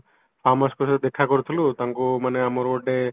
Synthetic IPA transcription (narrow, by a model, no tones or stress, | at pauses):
pʰaːmɐskusd̪ekʰːakɔɾut̪ʰulut̪ɐŋkumɐnɐmɔɾoɖe